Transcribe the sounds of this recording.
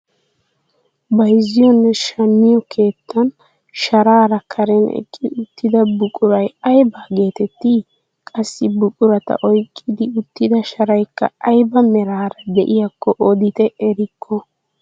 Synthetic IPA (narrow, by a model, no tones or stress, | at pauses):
bɐjzɪjɔnːɛʃɐmːɪjɔkʰe̞ːt̪ʰːɐn | ʃɐɾaːɾɐkʰɐɾɛnɛ̰kʼːɪʊt̪ːɪd̪ɐbʊkʼʊɾɐjɐjbaːɡe̞ːt̪ɛt̪ːɪ | kʼɐsːɪbʊkʼʊɾɐt̪ɐ̰ʔɔjkʼːɪd̪ɪʊt̪ːɪd̪ɐʃɐɾɐjkːɐ̰ɐjbɐmɛɾaːɾɐd̪ɛʔɪjakːɔʔɔd̪ɪt̪ɛʔɛɾɪkʰːɔ